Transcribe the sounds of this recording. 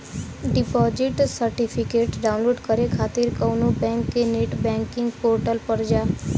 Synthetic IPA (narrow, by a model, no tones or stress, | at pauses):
ɖipɔd͡ʒiʈsəɾʈipʰikeʈɖaũnloɖkəɾekʰat̪iɾkəwnũbɛ̃ŋkːeneʈbɛ̃ŋkiŋɡpoɾʈəlpəɾd͡ʒa